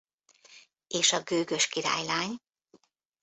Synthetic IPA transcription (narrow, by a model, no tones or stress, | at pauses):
eːʃɒɡøːɡø̞ʃkiɾa̰ːjlaːɲ